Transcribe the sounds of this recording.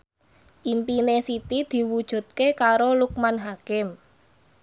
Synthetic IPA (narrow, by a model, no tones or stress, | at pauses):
ʔimpinesit̪id̪̥i̤wud̥ʒ̥ṳt̪̚kekaɾoluk̚manɦakɪm